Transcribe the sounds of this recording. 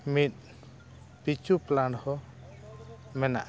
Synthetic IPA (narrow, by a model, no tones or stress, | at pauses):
mit̪̚ | pit͡ʃuplanhɔ | mɛna̰ʔ